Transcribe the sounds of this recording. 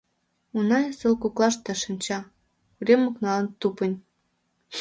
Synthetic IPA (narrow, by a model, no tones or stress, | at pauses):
unɑjsəlkuklˠɑʃt̪ə̆ʃənʲt͡ɕɑ | uɾʲemŏknɑlə̆nt̪upə̆nʲ